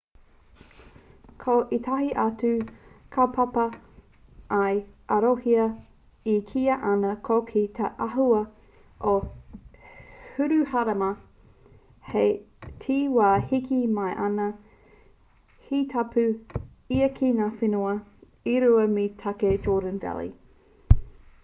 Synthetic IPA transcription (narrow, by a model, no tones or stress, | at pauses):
kʰoʔitʰɐhiʔɐt͡sʉkʰɐpʰɐpɐ | ʔːjɐɾohiɐ | ikʰiːɐʔɐnɐkʰokʰit̪ʰeʔɐɦuɐ | ʔo | hʉɾʉhɐɾɐmɐ | he | tʰiːwaːhikimɐjʔɐnɐ | hitʰɐpʰʉ | iɐkʰiŋaːfinuɐ | iɾuɐmitʰɐked͡ʒoːdənvɛ̰lḭ